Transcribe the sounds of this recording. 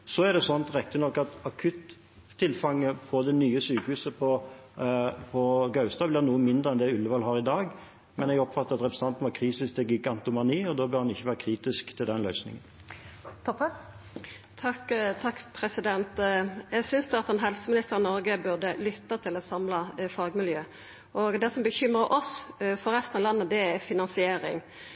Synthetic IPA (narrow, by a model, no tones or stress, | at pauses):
sɔɛʁd̪ɛsɔnt̪ʁɛk̚t̪ɪnɔkːɑt̪ɑkʰʉt̪ʰː | ɪlfɑŋːəpʰɔd̪ɛnyːəsyːkəhʉːsəpʰɔ | pʰɔɡɑʉst̪ɑblɪʁnuːəmɪnd̪ʁəɛnd̪ɛʉlːəʋɑlɦɑːʁɪd̪ɑːɡ | mɛnɛɡɔpfɑt̪ːəʁɑt̪ʁɛpɾsənɑnt̪nʋɑkʰʁiːsɪst̪ɛɡɪɡɑnt̪ʊmɑniːɔd̪oːbœɾhɑnɪçːəʋæːɾəkʰʁiːt̪ɪskt̪ʰɪld̪ɛnlœʏsnɪ̰ŋən | t̪ʰɔpːə | t̪ʰɑkt̪ʰɑkːpʰɾɛsɪd̪ɛnt̪jɛɡsʏnsd̪ɑt̪ɛnɦɛlsəmɪnɪst̪əʁɪnɔɾɡəbʉʁd̪əlʏt̪ːɑt̪ʰɪlɔsɑmlɑfɑːɡmɪljøː | ʔɔɡd̪ɛsɔmbəçʏmɾəʔɔsfɔɾɛst̪nɑʋlɑnːəd̪ɛæfɪnɑnsɪeːɾɪ̰ŋ